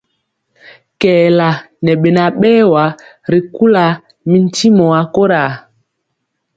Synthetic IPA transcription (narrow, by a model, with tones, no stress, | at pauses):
kɛː˨la˨ | nɛ˨ɓe˨na˨ɓɛː˦wa˨˦ | ɾi˨ku˦la˨ | mi˦n̩˦ti˦mɔ˨a˨ko˦ɾa˨